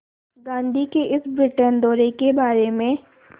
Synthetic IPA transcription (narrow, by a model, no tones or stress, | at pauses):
ɡãːnd̪ʱikeʔɪsbɾɪʈənd̪ɔːɾekebaːɾemẽ